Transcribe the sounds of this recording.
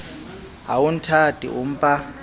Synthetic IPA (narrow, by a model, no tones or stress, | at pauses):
a̰wun̩tʰatʼḭʔʊm̩pʼa